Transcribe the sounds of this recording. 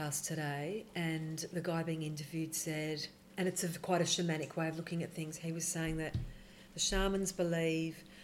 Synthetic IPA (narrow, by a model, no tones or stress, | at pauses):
æstʰɨɾeɪɨ̃nðɨɡaɪbiɪ̃ŋɪ̃ntɨvjʉd̥sɛɾ | ɨ̃ñɨtsɨkʰw̥aɪɾɨʃɨmæɾ̃ɨkʰweɪʌvlʊkɪ̃ŋɨt̪̚θɪ̃ŋz̥iwʌz̥seɪɪ̃ŋðɨt̪̚ | ðɨʃɑɹmɨ̃nzbəliv̥